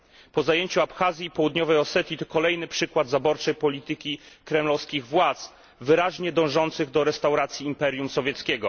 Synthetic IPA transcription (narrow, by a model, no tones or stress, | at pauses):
pɔzajeɲt͡ɕuapxazʲjiːpɔwud̪ɲɔvɛjɔsɛt̪ʲit̪ɔkɔlɛjnɘpʂɘkwad̪zabɔɾt͡ʂɛjpɔlʲit̪ɘkʲikɾɛmlɔfskʲiɣvwat̪s | vɘɾaʑɲɛd̪ɔ̃w̃ʐɔnt̪sɘɣd̪ɔɾɛst̪awɾat̪sʲjiːmpɛɾʲjumsɔvʲjɛt̪skʲɛɡɔ